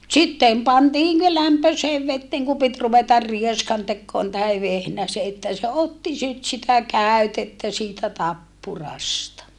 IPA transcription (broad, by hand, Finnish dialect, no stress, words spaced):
sitːem pɑntiː ne læmpøseːʋ ʋetːeːŋ ku pit ruʋetɑr rieskɑntekːoːn tɑhe ʋehnæse etːæ se otːi sit sitæ kæˑytetːæ siːtæ tɑpːurɑstɑ